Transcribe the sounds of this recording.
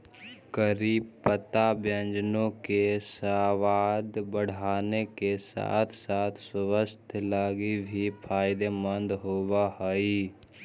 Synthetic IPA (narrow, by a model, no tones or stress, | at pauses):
kəɾiːbpət̪abjə̃nd͡ʒnõkesaːʋaːd̪bəɽ̤aːnekesa̰ːt̪ʰsaːt̪ʰsʊwəst̪ʰlaːɡibʱipʰaːɪd̪emə̃nd̪ɦoːwaɦəi